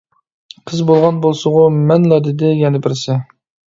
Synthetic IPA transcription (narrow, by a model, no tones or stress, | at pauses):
qʰəzbolˠʁɑnbolˠsʊʁʊmɛnlˠɑd̪ɪd̪ɪjɛnɪbɪɾsɪ